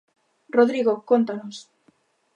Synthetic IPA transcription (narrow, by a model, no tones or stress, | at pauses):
roðɾiɣokont̪anos